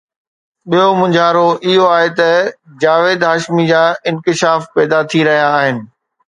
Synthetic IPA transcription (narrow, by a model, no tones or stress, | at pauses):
ɓijomʊ̃ɲd͡ʑʱaːɾoʔɪɦoaːɦet̪ɐd͡ʑaːʋeːd̪ɦaːʃmid͡ʑaːɪ̃nkɪʃaːfpɛːd̪at̪ʰiɾɐɦijaːɦɪnɪ̆